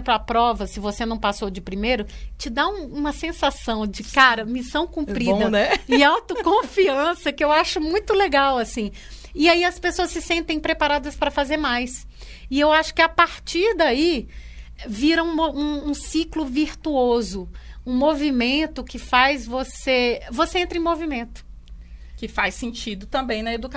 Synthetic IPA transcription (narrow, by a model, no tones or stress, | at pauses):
plʊapɾɔvɐsɪvosenɐ̃w̃pasowd͡ʒɪpɾimejɾʊt͡ʃɪd̪aũũmɐsẽsasɐ̃w̃d͡ʒɪkaɾɐmisɐ̃w̃kũppɾiɐnɛɪawt̪ʊkõfiɐ̃sɐkɪewaʃʊmũj̃t̪ʊleɡawasĩ | ɪaiɐspesoɐssɪsẽnt̪ẽj̃pɾepaɾad̪ɐspɾɐfazeɾmajs | ɪewaʃʊ̥kɪapaɾt͡ʃiɾd̪ai | viɾɐũmɐũũsiklʊviɾt̪uozʊũmovimẽnt̪ʊkɪfajzvosevoseẽnt̪ɾɐẽmovimẽnt̪ʊ̥ | kɪfajsẽnt͡ʃid̪ʊt̪ɐ̃mbẽj̃nɐed̪uk